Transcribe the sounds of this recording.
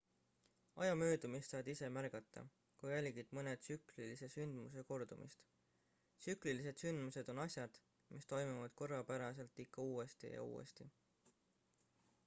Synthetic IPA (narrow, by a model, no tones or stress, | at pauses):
ɑjɑmøːd̪umist̪sɑːd̪̥ise̞mæɾɡ̥ɑt̪ːˑɑ̰ | kujælʲɡ̥id̪̥mɤne̞d̪̥syklilise̞synd̪̥muse̞ko̞rd̪̥umḭst̪ | syklilise̞d̪̥synd̪̥muse̞d̪̥o̞nɑsʲjɑd̪̥ | mist̪o̞jmuvɑd̪̥ko̞rːɑpæɾɑse̞lt̪ːikʰːɑuːe̞st̪ḭjɑ̰ṵːḛst̪i